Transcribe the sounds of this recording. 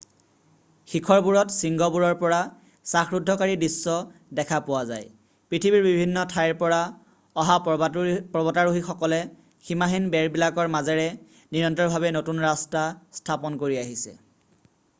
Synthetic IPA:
xikʰɔɹpuɹɔtsiŋɡɔpuɹɔɹpɔɹa | saxɹudʱːɔkaɹidisːɔdɛkʰapʊwaza̰j | pɹitʰibiɹbibʱinːɔtʰajɹpɔɹa | ɔɦa | pɔbɔtaɹuɦixɔkɔlɛ | ximaɦinbɛɹbilakɔɹmazɛɹɛ | niɹɔntɔɹbʱabɛnotunɹastastʰapɔnkoɹiaɦisɛ̰

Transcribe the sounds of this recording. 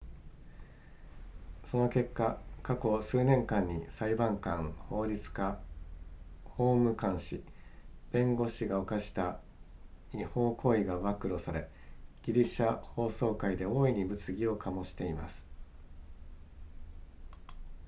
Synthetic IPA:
so̞no̞ke̞kːakako̞sɨːnẽ̞ŋkãɲ̟ːisaibãŋkãŋho̞ːɾʲit͡sɨ̥ka | ho̞ːmɯ̟kãɰ̃ɕḭ | b̥ẽ̞ŋɡo̞ɕiɡao̞kaɕi̥t̪a | iho̞ːkʰo̞ːiɡaβakɯ̟ɾo̞saɾe̞ | ɡ̥ʲiɾʲiɕaho̞ːso̞ːkaid̪e̞o̞ːiɲ̟ibɯ̟t͡sɨɡʲio̞kʰamo̞ɕi̥t̪e̞imasɨ̥

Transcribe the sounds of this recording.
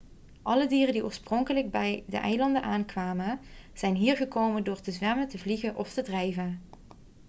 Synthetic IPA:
ʔɑlədiːrəndiʔoːɹsprɔŋkələɡ̚bɛjdə̰ʔɛjlɑndənʔaːnkʋaːmənz̥ɛjnɦiːɹɣəkowməndʊːɹtəzʋɛməntəvliɣənʔɔftədrɛjvən

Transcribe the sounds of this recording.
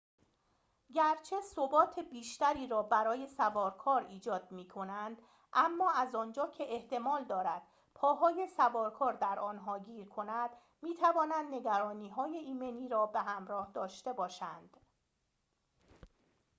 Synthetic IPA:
ɟæɾt͡ʃʰe̞sobɒːt̪ʰe̞biːʃt̪æɾiːɾɒːbæɾɒːje̞sævɒːɾkʰɒːɾiːd͡ʒɒːd̪̚miːkʰo̞nænd̪ | ʔæmːɒːæzɒːnd͡ʒɒːcʰe̞ʔeht̪e̞mɒːld̪ɒːɾæd̪̥ | pʰɒːɦɒːje̞sævɒːɾkʰɒːɾd̪æɾʔɒːnɦɒːɡiːɾkʰo̞næd̪̥ | miːt̪ʰævɒːnænd̪ne̞ɡæɾɒːniːɦɒːje̞iːmeniːɾɒːbeɦæmɾɒːhd̪ɒːʃt̪e̞bɒːʃænd̪̥

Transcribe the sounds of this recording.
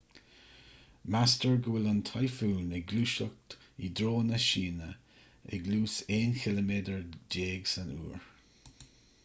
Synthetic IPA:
mastəɹɡuɪlənt̪ʰajfuːnɛɡluːʃək̚t̪id̪ɾoːnəʃiːnə | ɛ̰ɡluːseːnxɪləmeːdəɹd͡ʒeːɡsənṵːɹ

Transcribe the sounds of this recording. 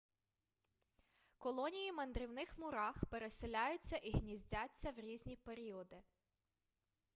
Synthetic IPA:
kɔlˠɔnʲijimɐnd̪ɾɪwnɪxmʊɾɑxpe̞ɾeselʲajʊt͡sʲːɐʔiɦnʲizʲdʲat͡sʲːɐwɾʲizʲnʲipeɾʲiɔd̪ɪ

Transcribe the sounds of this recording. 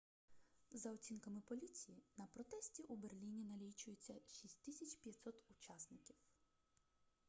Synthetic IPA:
zɐɔt͡sʲinkɐmɪpɔlʲit͡sʲijinɐpɾɔt̪ɛsʲtʲiʔuberlʲinʲinɐlʲijt͡ʃʊjet͡sʲːɐʃʲisʲtʲt̪isʲɐt͡ʃʲpʲjɐt̪ʲsɔt̪ʊt͡ʃɑsnɪkʲiw

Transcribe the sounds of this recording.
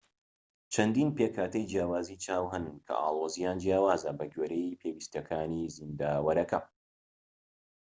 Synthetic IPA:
t͡ʃʰɐnd̪iːnpeːkʰaːt̪ɐjd͡ʒjaːwaːzit͡ʃaːwɦɐnɨnkʰɐ̰ʔa̰ːlˠoːzijaːnd͡ʒjaːwaːzɐbɐɡeːɾejpʰewist̪ɐkʰaːniːzind̪aːwɐɾɐkɐ

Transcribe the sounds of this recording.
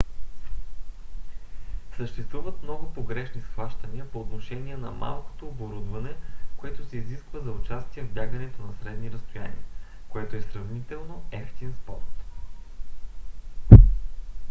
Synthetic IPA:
səʃt̪ɛst̪vuvət̪mnɔɡʊpoɡɾɛʃnisxvaʃt̪ənʲiəpoːt̪noʃɛniɛnɐ̰mʔa̰lˠko̥t̪oːboɾud̪vɐnɛkoɛt̪osɛiziskvəzɐʊt͡ʃast̪iɛvbʲjaɡənɛt̪onɐsɾɛd̪niɾɐst̪ojanʲḭə | koɛt̪oɛsɾɐvnit̪ɛlˠnoɛft̪inspɔ̰ɾt̪

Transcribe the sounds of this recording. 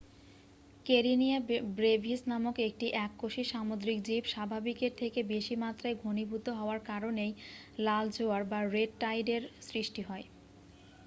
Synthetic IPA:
keɾinijabɾebʱisnamokek̚ʈiʔɛkːoʃiʃamod̪ɾik̚d͡ʑibʃabʱabikeɾt̪ʰekebeʃimat̪ːɾaeɡʱonibʱut̪ːoɦɔoaɾkaɾonej | lald͡ʑʱoaɾbaɾeɖ̚ʈajɖeɾsɾiʃʈiɦɔe

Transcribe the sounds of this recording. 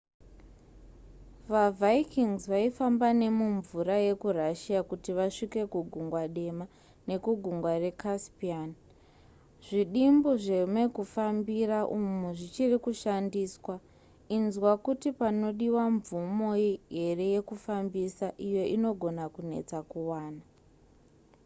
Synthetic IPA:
ʋavaikiŋzʋaifambane̞muɱvuɾaje̞kuraʃijakutiʋaʂike̞kuɡʱuŋɡwaɗe̞ma | ne̞kuɡʱuŋɡware̞kaspian | ʐiɗimboʐemwe̞kufambiraʔumuʐit͡ʃirikuʃandiːswa | inzwakutipano̞ɗiwaɱvumo̞iɦe̞re̞je̞kufambisaʔijo̞ʔino̞ɡʱo̞nakune̞̰t͡sakuwaːna

